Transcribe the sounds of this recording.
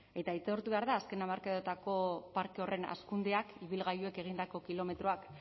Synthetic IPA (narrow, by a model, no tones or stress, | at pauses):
e̞t̪aijt̪o̞ɾt̪uβe̞aɾðaːske̞namaɾkaðot̪ako̞paɾke̞o̞re̞na̰skund̪eakiβilɣajue̞ke̞ɣind̪ako̞kilo̞me̞t̪ɾoak